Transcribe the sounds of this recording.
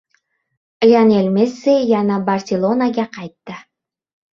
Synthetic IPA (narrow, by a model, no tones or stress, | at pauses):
əjɑnelmesːejɑnɑbarsʲelˠonaɡɑqɑjt̪ːə